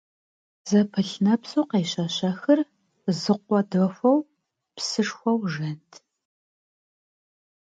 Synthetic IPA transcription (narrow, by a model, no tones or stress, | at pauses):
z̥ɐpʰɐɬnɐpsʼoqeːɕɐɕɐxɨr | zɨqʷɔdoxʷɐw | psɨʂxʷɐwʒɐntʰ